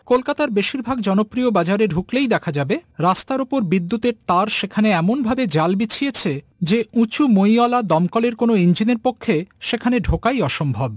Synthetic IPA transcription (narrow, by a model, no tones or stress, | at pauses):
kolkat̪aɾbeʃiɾbʱaɡd͡ʑɔnopɾiobad͡ʑaɾeɖʱuklejd̪ɛkʰad͡ʑabeɾast̪aɾopoɾbid̪ːut̪eɾt̪aɾʃekʰaneɛmonbʱabed͡ʑalbit͡ɕʰijet͡ɕʰe | d͡ʑeũt͡ɕumojɔlad̪ɔmkɔleɾkonoind͡ʑineɾpokʰːeʃekʰaneɖʱokajɔʃombʱob